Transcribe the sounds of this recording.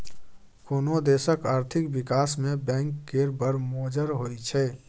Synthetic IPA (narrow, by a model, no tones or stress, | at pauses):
koːnod̪esəkaːɾt̪ʰɪkbikaːsmẽbɛ̃ːŋkːeɾbəɾmoːd͡ʒəɾɦojt͡ʃʰɛ